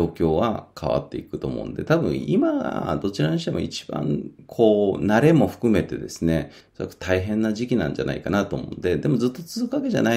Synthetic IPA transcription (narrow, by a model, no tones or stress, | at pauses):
oːkʲo̞ːβa̰kʰa̰βa̰t̪ːe̞ikɯ̟t̪o̞̰ːmõ̰nd̪e̞̰t̪abɯ̟̰̃ɰ̃imaɡa̰d̪o̞t͡ɕiɾaɲɕi̥t̪e̞moḭt͡ɕi̥b̥ã̰ŋkʰo̞ːnaɾe̞mo̞ɸɯ̟̥kɯ̟me̞t̪e̞d̪e̞sɨne̞ | soakːɯ̟̥t̪ʰaiɦẽ̞nːaʑikʲinã̰ɲ̟d͡ʑa̰na̰ikanat̪o̞ːmõ̰nd̪e̞d̪e̞mo̞zɨt̪ːo̞t͡sɨzɨkɯ̟βake̞ʑa̰nai